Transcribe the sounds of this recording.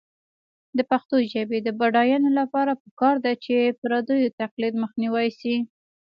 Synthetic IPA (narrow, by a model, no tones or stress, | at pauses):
d̪əpaxt̪oʒabed̪əbaɖɑjɑnolapɑɾapəkɑɾd̪at͡ʃepɾɑd̪ujot̪aqlid̪məxniwajsi